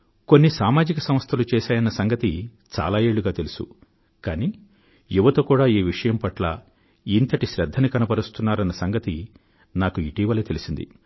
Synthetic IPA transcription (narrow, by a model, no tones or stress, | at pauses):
konːisaːmaːd͡ʒikɐsɐmɐst̪ʰɐlut͡ʃɛːʃaːjɐnːɐsɐŋɡɐt̪i | t͡ʃa̰ːlaːje̞ːɭːuɡaːt̪elusṵ | kaːniː | juʋɐt̪ɐkuːɽaːiːʋiʂɐjɐmpɐʈla̰ | int̪ɐʈiʃɾɛd̪ʱːɐnikɐnɐpɐɾust̪unːaːɾɐnːɐsɐŋɡɐt̪i | naːkuiʈiːʋɐleːt̪elisind̪ḭ